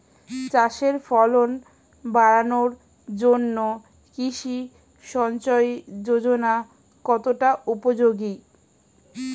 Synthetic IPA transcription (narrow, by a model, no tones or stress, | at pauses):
t͡ɕaʃeɾfɔlon | baɾanoɾ | d͡ʑonːo | kiʃi | ʃɔnt͡ɕɔed͡ʑod͡ʑona | kɔt̪oʈaupod͡ʑoɡi